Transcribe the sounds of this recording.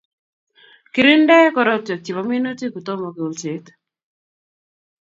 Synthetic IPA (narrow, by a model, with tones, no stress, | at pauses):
kɪ˨ɾɪ˦ndɛ˦kɔ˨ɾɔ˦tɔ˨t͡ʃi˨βa˨mi˦no˦ti˦ku˨tɔ˦mɔ˨ku˨lt͡ʃe˨˦t